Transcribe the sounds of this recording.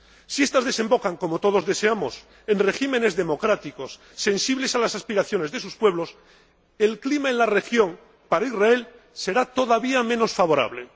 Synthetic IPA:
sie̞st̪azðe̞se̞mbo̞kaŋko̞mo̞t̪o̞ðo̞zðe̞se̞amo̞s | e̞nre̞ximẽ̞ne̞zðe̞mo̞kɾat̪iko̞sːe̞nsiβle̞salasaspiɾaθjo̞ne̞zðe̞suspwe̞β̞lo̞s | e̞lklimaenlare̞xjo̞ŋ | paɾaizrae̞l | se̞ɾat̪o̞ðaβiamẽ̞no̞sfaβo̞ɾa̰β̞le̞

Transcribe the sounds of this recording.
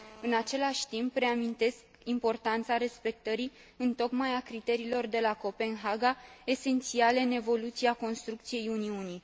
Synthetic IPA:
ɨnat͡ʃe̞laʃʲt̪impɾe̞amint̪e̞sk | impo̞rt̪ant̪saɾe̞spe̞k̚t̪əɾi | ɨnt̪o̞kmajakɾit̪e̞ɾiːlo̞rd̪e̞lako̞pe̞nɦaɡae̞se̞nt̪siale̞ɨne̞vo̞lut̪siako̞nst̪ɾukt̪sije̞juniuni

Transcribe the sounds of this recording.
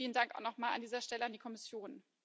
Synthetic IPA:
iːləndaŋkʔaʊxnɔχmaːla̰ndiːzɐʃtɛləandiːkʰɔmɪsjoːn

